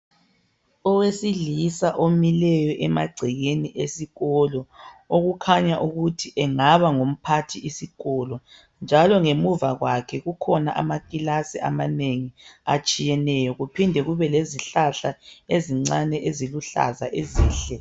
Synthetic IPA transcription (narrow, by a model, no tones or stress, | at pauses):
ɔwesilisaʔomilɛjɔʔɛma̰ɡ͡ǀʱiɣeniʔesiɣɔlɔoɣukʰaɲaʔuɣutʰiʔɛŋaβaŋom̩pʰatʰiisiɣɔlɔ | nd͡ʒʱalɔŋemuvaɣwakʰɛɣukʰɔnaʔa̰makʼilasiʔamaneŋiat͡ʃʼijɛnɛjɔɣupʰindʱɛɣuβɛleziɬaɬaeziŋ͡ǀanɛʔeziluɬa̰zaʔeziːɬɛ